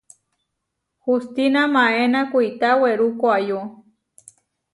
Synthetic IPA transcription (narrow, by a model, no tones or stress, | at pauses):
hust̪inamãenakʷiit̪aweɾukoajo